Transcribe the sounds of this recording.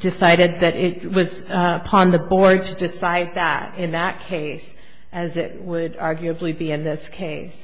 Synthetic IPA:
d̥ɨsaɪɾɨd̪̚ðɨɾɪt̚wʌz | əpʰɑ̃nðɨbɔɹd̚tʰɨdɨsaɪd̪̚ðə̰ɾɪ̃nðət̚kʰeɪs | ʔɨzɪ̰t̚wəɾɑɹɡjʉɨblibiɨ̃nðɪskʰeɪs

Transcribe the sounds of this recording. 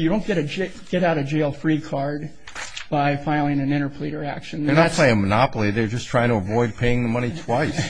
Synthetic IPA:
jɨɾõʊ̃nɡ̥ɛɾɨd͡ʒ | ɡ̥ɛɾaʊɾɨd͡ʒeɪlˠfɹikʰɑɹd̚ | b̥aɪfaɪlˠɪ̃ŋɨ̃nɪ̃ɾ̃ə˞pʰl̥iɾə˞æ̰kʃɨ̃n̩ə˞nətt̚ʰl̥eɪɪ̃əmənɑpl̩ˠiðə˞d͡ʒʌstʰɹ̥aɪɪ̃ŋtʰəəvɔɪd̚pʰeɪɪ̃ŋðəmʌñitʰw̥aɪs

